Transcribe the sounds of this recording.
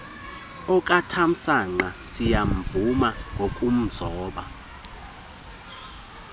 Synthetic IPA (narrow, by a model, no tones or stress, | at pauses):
ɔkʼatʰam̩saŋ͡ǃasijamvumaŋɡʱokʼum̩zɔːɓa